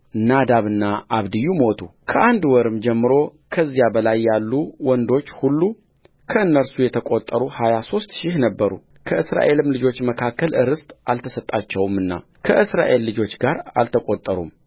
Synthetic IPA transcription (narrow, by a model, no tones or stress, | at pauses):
nad̪aβɨnːaʔaβd̪ɨjːumo̞t̪ʰṵkʰəʔand̪wɔɾɨmd͡ʒɛmːɨɾo̞ | kʰəzːijabəlajːalːuwɔnd̪o̞t͡ʃːhulːu | kʰəɨnːəɾsujɛt̪ʰəkʼo̞t̪ʼːəɾuhajaso̞st̪ʃɪhnəbːəɾṵ | kʰəʔɨsɾa̰ʔe̞lɨmlɨd͡ʒo̞t͡ʃːməkʰakːəlʔɨɾɨst̪ʼalt̪ʰəsət̪ʼːat͡ʃːɛwmːɨnːa̰ | kʰəʔɨsɾa̰ʔe̞lːɨd͡ʒo̞t͡ʃːɡaɾa̰lt̪ʰəkʼot̪ʼːəɾṵm